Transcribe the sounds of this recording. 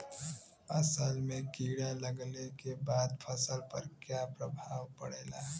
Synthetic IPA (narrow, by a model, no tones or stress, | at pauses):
ɐsəlmẽkiːɽaləɡlekebaːd̪pʰəsəlpə̰ɾkjaːpɾəbʱaːʋpəɽeːlaː